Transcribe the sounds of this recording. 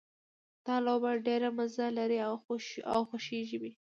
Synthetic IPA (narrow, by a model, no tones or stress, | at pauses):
d̪̥ɑlobaɽɖeɾamazalaɾiawa̰wxoʃeʒiwi